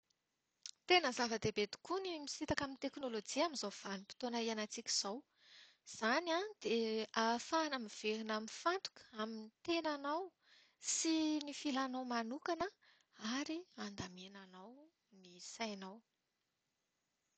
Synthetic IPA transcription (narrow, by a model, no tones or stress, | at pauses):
t̪enəzavəd̪ebed̪i̥kunimisit̪akamint̪eknolod͡ʒiaminzav̥anipi̥t̪onaianat͡sikʲi̥z̥aw | z̥anad̪̥eafaːnəmiv̥eɾinamifant̪u̥kaminit̪enanaw | sinifilanawmanukanə | aɾiand̪amenanaw | nisajnaw